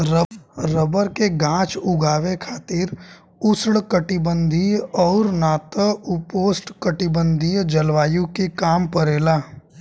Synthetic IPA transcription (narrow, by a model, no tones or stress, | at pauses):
ɾəɾəbəɾkeɡãːt͡ʃʊɡʱaːʋekʰaːt̪ɪɾ | ʊsɽkəʈɪbə̃nd̪ʱiɔːɾnaːt̪əʊpoːsʈkəʈɪbə̃nd̪ʱid͡ʒəlʋaːjũkekaːmpəɾeːlaː